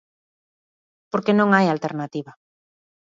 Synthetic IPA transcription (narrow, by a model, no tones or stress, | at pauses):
poɾkenõŋajalt̪eɾnat̪iβa